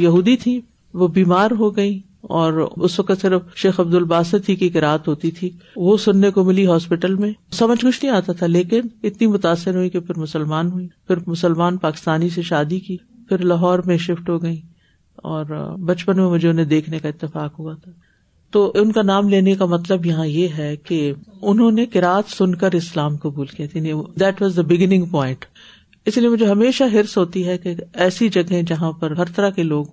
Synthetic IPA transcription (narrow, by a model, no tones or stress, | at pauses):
jɐɦuːd̪it̪ʰĩ | ʋobiːmaːɾɦoɡɐi | ɔːɾʊsʋɐkət̪sɪɾəfʃeːxɐb̚d̪ʊlbaːsət̪ʰikikɪɾaːət̪ɦoːt̪it̪ʰiːʋosʊnːekomɪliɦɔːspɪʈəlmẽsɐməd͡ʒʱkʊt͡ʃʰnəɦĩaːt̪at̪ʰaleːkɪnɪt̪nimʊt̪aːsːɪɾɦuikepʰɪɾmʊsəlmaːnɦuiːpʰɪɾmʊsəlmaːnpaːkɪ̥st̪aːniseʃaːd̪iki | pʰɪɾlɐɦɔːɾmẽʃɪfʈɦoɡɐi | ɔ̰ːɾbɐt͡ʃpənmẽmʊd͡ʒʱeʊnɦẽd̪eːkʰnekaɪt̪ːɪfaːkɦuat̪ʰaː | t̪oːʔʊnkanaːmleːnekamɐt̪̬ləbjɐɦãjeɦɛkeʊnɦõnekɪɾaːət̪sʊnkəɾɪslaːmkɐbuːlkijat̪ʰianid̪ɛːʈʋɔːzd̪əbɪɡɪnɪ̃ŋɡpɔːɪ̃ɳʈ | ɪsliemʊd͡ʒʱeɦɐmeːʃaɦɪɾsɦoːt̪iɦɛkeɛːsid͡ʒɐɡɦẽd͡ʒɐɦãpɐɾɦɐɾt̪ɐɾakeloːɡ